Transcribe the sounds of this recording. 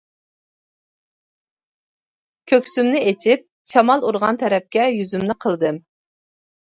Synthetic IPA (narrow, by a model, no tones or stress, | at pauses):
kʲʰøkʲsymnɪet͡ʃʰip̚ | t͡ʃʰɑmɑlˠuɾʁɑnt̪ʰɛɾɛp̚kʲɛjyzymnɪqʰəlˠd̪ɨm